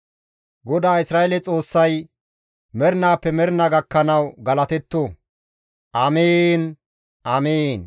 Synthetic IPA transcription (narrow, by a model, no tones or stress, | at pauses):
ɡɔd̪aːɪsɾaːelɛt͡sʼo̞ːsːɐj | mɛɾɪnaːpːɛmɛɾnɐɡɐkːɐnɐwɡɐlɐt̪ɛt̪ːo | ʔɐmeːn | ʔɐmeːn